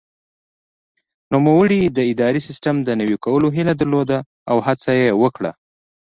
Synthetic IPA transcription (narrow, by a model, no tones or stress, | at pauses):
nomawəɽid̪əɪd̪ɑɾisɪsʈamd̪ənawikawəloɦilad̪əɾlod̪a | awhat͡sajewəkɽa̰